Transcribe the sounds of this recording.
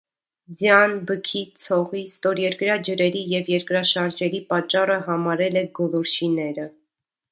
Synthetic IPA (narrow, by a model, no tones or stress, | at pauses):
d͡zjɑnbəkʰit͡sʰɔʁist̪ɔɾjɛɾkɾɑd͡ʒəɾɛɾijɛvjɛɾkɾɑʃɑɾʒɛɾipɑt͡ʃːɑrəɦɑmɑɾɛlɛɡɔlɔɾʃʰinɛɾə